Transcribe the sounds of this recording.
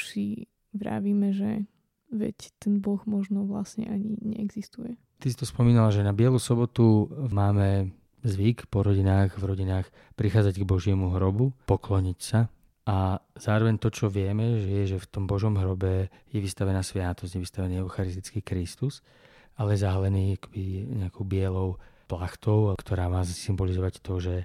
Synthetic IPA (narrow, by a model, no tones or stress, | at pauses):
si | ʋɾa̰ːʋiːmɛʒɛ̰ | ʋɛ̰ct̪ɛnbɔɣmɔʒnɔʋla̰sɲɛ̰ʔaɲiɲɛ̰ɛɡzist̪ujɛ | t̪isi̥t̪ɔspɔmiːnalaʒɛnabɪɛlusɔbɔt̪umaːmɛ | zʋikpɔɾɔɟinaːɣvɾɔɟinaːx | pɾixaːd͡zaɟɡbɔʒɪɛmuɦɾɔbupɔklɔɲicsa | ʔaz̥aːɾɔʋɛɲt̪ɔt͡ʃɔʋɪɛmɛʒɛjɛʒɛft̪ɔmbɔʒɔmɦɾɔbɛ | jɛʋist̪aʋɛnaːsʋɪat̪ɔzjɛʋist̪aʋɛniːɛʊxaɾist̪i̥t͡skiːkɾist̪us | alɛjɛzaɦalɛniːakɔ̥b̥iɲɛakʰɔʊbɪɛlɔʊplaxt̪ɔʊkt̪ɔɾaːmaːzsimbɔlizɔʋact̪ɔʒɛ